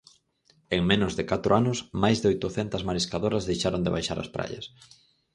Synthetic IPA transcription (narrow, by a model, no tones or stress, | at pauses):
eŋmenʊzðɪkat̪ɾʊanʊsmajzðojt̪ʊθɛnt̪ɐzmaɾiskaðoɾɐzðejʃaɾond̪ɪ̰βajʃa̰ɾɐ̰spɾa̰jɐ̰s